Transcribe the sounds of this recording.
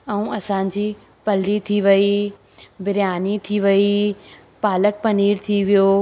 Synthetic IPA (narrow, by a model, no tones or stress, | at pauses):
ɐũɐsãːɲ̆d͡ʑiː | pɐlit̪ʰiʋɐi | bɪɾjaːnit̪ʰiʋɐi | paːlək̚pɐniːɾt̪ʰiʋijo